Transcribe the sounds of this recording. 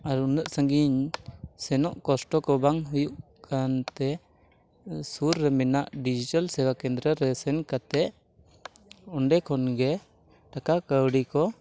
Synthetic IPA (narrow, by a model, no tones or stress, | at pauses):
aɾunəʔsəŋɡiɲsɛnɔʔkɔsʈɔkɔbaŋɦujuʔ | kant̪ɛ | suɾːɛmɛnaʔɖid͡ʒiʈalsɛwakɛnd̪ɾəɾɛsɛnkat̪ɛʔ | ɔɳɖɛkʰɔnɡɛ | ʈakakəwɽikɔ